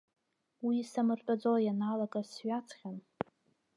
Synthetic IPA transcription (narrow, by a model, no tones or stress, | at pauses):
wiːsamɨrtʼad͡zojanalakʼasɥat͡sʰχʲan